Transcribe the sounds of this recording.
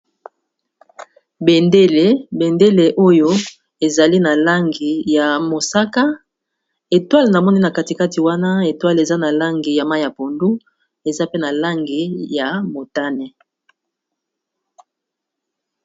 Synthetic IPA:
be˨nde˦le˨be˨nde˦le˨ʔo˦jo˦ | e˨za˨li˦na˨la˦ŋɡi˨ja˨mo˨sa˦ka˦ | e˨twa˦lna˨mɔ˦ni˦na˨ka˦ti˨ka˦ti˨wa˦na˦e˨twa˦le˨za˦na˨la˦ŋɡi˨ja˨ma˦˨ja˨po˨ndu˦ | e˨za˦pe˦na˨la˦ŋɡi˨ja˨mo˨ta˦ne˨

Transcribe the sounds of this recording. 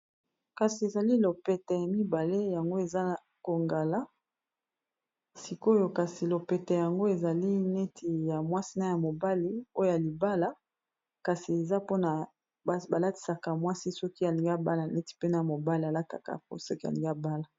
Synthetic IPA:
ka˨si˨e˨za˨li˦lo˨pɛ˨tɛ˨ja˨mi˦ba˨le˦ja˨ŋɡo˦e˨za˦˨ | ko˨ŋɡa˨la˦ | si˨ko˦jo˨ka˨si˨lo˨pɛ˨tɛ˨ja˨ŋɡo˦e˨za˨li˦ne˦tʰi˨ja˨mwa˦si˦na˨ja˨mo˨ba˦li˨o˦jo˦ja˨li˨ba˦la˨ | ka˨si˨e˨za˦po˦na˨˦ | ba˨la˦ti̥˨sa˨ka˨mwa˦si˦sɔ˦ki˦a˨li˨ŋɡi˦a˦ba˦la˨nɛ˦ti̥˨pe˦na˨a˨mo˨ba˦li˨a˨la˦ka˨ka̰˨po̰˦sɔ˦ki˦a̰˨li˨ŋɡa˦˨ba˦la˨

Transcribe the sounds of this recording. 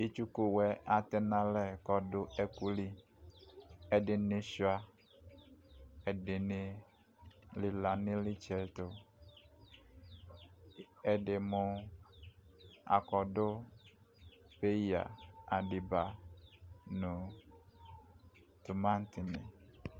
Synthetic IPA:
i˦t͡ʃu˦ku˦wɛ˦ʔa˨t̪ɛ˦nã˦lɛ˨kɔ˨dʊ˦ɛ˦ku˦li˦ | ɛ˨dɪ˨nɪ̃˦su˦a˦ | ɛ˨dɪ˨nɪ˦ | lɪ˨la˨nɪ̃˦lɪ˦t͡ʃɛ˨t̪ʊ˨ | ɛ˨dɪ˨mʊ̃˦ | a̰˨kɔ˨dʊ˦ | pe˦ja̰˨a˨dɪ˨ba˨ | nʊ̃˨ | t̪ʊ˨mã˦n˦tɪ˨nɪ̰̃˨

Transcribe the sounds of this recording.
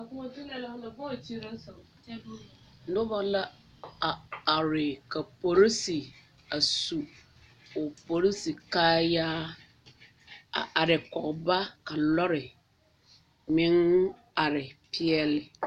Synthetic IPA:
a˨kʊ˦ɔ˦tu˦nɛ˨la˦nã˨bɔ˦˨t͡ɕʰi˦ɾa˦sɔ̃˨ɛ˦bu˦˨ | n̩˦dʊ˦ba˦la˦ | a˨a˨ɾɪ˨kʰa˨pʰo˨ɾi˦si˨ | a˨su˨ | ɔ˨po˨ɾi˦si˨kaː˦jaː˦ | a̰˨ʔa˨ɾɪ˨kɔ˨kba˦ka˨lɔ˦ɾɪ˨ | mɪ̃˦n˦ | a˨ɾɪ˨pʰɪ˦ɛ˦lɪ˨

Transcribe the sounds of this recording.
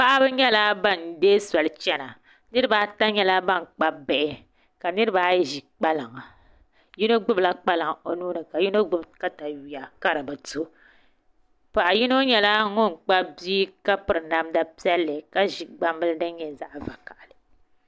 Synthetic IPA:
pa˦ʔa˦bɨ˦ɲɛ˦la˦ba˦˨ndeː˦sa˨lɨ˨t͡ʃɛ˦na˨ | nɨ˦ɾɨ˦baː˦ta˦ɲɛ˦la˦ba˦˨ŋ˨k͡pa˦bɛ˨ʔɪ˦ | ka˨nɨ˦ɾɨ˦baː˨˦jʒi˨k͡pa˦lɨ˨ŋa˨ | ji˦no˦ɡ͡bʊ˦bla˦k͡pa˦lɨ˨ŋo˦nuː˦nɨ˨ka˨ji˦no˦ɡ͡bʊ˦bka˦ta˨wi˨ja˨ka˦ɾɨ˨bɨ˨to˦ | pa˨ʔa˨ji˦no˦ɲɛ˦la˦ŋʊ˦˨n˨k͡pa˦bi˦ka˦pɨ˨ɾɨ˨na˦mda˦pi˦ɛ˦lːɨ˨ka˦ʒi˨ɡ͡ba˦mbɨ˦lɨ˦dɨ˦ɲɛ˨za˦ʔva˨ka˨ʔa˨lɨ˨

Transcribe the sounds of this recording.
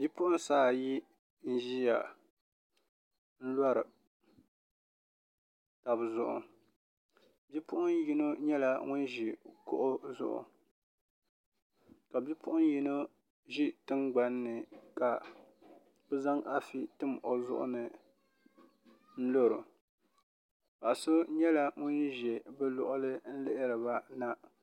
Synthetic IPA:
bʲi˦pʊ˦ʔʊ˦nsaː˦˨ji˦ | n̩˦ʒi˦ja˨ | n̩˦la˦ɾɨ˨ | ta˨bzʊ˨ʔʊ̰˨ | bi˦pʊ˦ʔʊ˦nji˦no˦ɲɛ˦la˨ŋʊ˦nʒi˨kʊ̰˦ʔʊ˦zʊ̰˦ʔʊ̰˨ | ka˨bi˦pʰʊ˦ʔʊ˦n˦ji˦no˦ | ʒi˦tɨ˦ŋɡ͡ba˦nːɨ˨ka˨ | bɛ˦za˦ŋʔa˦fi˦tɨ˦mʔo˨zʊ̰˦ʔʊ̰˦nɨ˨ | n̩˦lo˦ɾʊ˨ | pa˨ʔso˦ɲɛ˦la˦ŋʊ˦nʒɛ˨bɨ˦lɔ˨ʔʊ˦lɨ˦n̩˦lɪ˦ʔɪ˦ɾɨ˨ba˦na˦

